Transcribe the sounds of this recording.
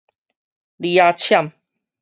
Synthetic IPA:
li˧a˧t͡ɕʰja˥˨m

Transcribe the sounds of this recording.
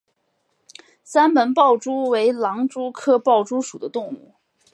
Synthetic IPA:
sa˥nmə˧˥npɑ˥˩ʊʈ͡ʂu˥we˧˥ɪlɑ˧˥ŋʈ͡ʂu˥kʰɤ˥pɑ˥˩ʊʈ͡ʂu˥ʂu˨˩d̪ə˦t̪ʊ˥˧ŋu˥˩

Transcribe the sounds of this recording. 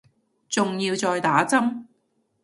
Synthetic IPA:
t͡sʊ˨ŋjiː˧wt͡sɔː˨jt̪aː˨˥t͡sɐ˥m

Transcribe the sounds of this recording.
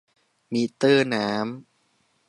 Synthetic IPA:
miː˧t̪ɯː˥˩naː˦˥m

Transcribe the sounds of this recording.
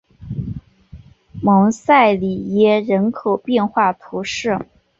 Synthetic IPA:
mɤ˧˥ŋsa˥˩ɪli˨˩jɛ˥˩ɻə˧˥nkʰo˨˩ʊpjɛ˥˧nxwa˥˩t̪ʰu˧˥ʂɻ̩˥˩

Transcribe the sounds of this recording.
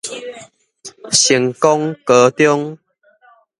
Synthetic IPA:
ɕi˨˩ŋkɔ˦ŋkə˨˦t̪jɔ˦ŋ

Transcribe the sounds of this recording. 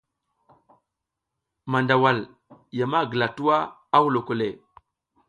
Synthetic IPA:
ma˨nda˨wa˨l | ja˨ma˦˨ɡə˨la˨tu˦wa˦ | a˦wu˦˨lo˨ko˨le˨

